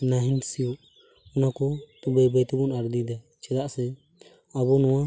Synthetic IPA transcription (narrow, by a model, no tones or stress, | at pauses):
naɦinsijɔʔ | ɔnakɔt̪ubajbajt̪ɔbɔnaɾd̪id̪aj | t͡ʃɛd̪aʔsɛ | aβɔnɔwa